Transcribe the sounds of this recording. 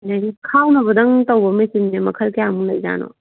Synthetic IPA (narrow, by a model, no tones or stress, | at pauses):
naɡikʰawnɐbɐdɐŋtɐwbɐmɐjsimnemɐkʰɐlkejamulɐjd͡ʒa̰no̰